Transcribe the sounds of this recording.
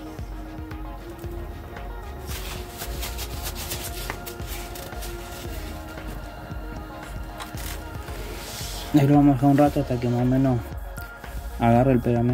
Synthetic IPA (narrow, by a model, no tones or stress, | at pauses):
neβluβamosaunrat̪oast̪akemasomẽno | aɣareelpeðame